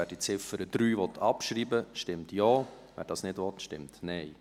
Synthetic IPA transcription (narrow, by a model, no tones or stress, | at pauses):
æːɾd̥it͡sɪfəɾəd̥ɾyːʋɔt̪ʰːɑpʃɾiːbəʃtɪmtjɔː | ʋɛ̰ːɾd̥ɑːsnɪdʋɔtʃtɪmtnɛɪ